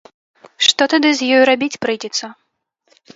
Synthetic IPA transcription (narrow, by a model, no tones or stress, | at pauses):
ʂt̪ɔt̪ad̪ɨzʲjɔjɾabʲit͡sʲpɾɨjd͡zʲɛt̪sːɐ